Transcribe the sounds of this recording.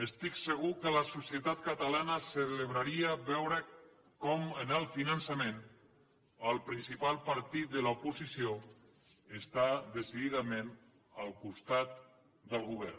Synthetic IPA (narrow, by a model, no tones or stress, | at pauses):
əst̪iksəɣukələsusjət̪at̪̚kət̪alanəsələβɾaɾiəβɛwɾə | kɔmənəlˠfinənsəmẽn | əlˠpɾinsipalˠpəɾt̪it̪̚d̪əlaupuzisio | əst̪ad̪əsiðiðamen | əlˠkust̪at̪ | d̪əlˠɣuβ̞ɛɾ